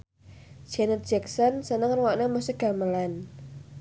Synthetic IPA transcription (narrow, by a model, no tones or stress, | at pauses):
d̥ʒ̥ɛnət̪̚dʒ̥ɛksɔnsənəŋrwɔʔnamusəɡ̥a̤məlan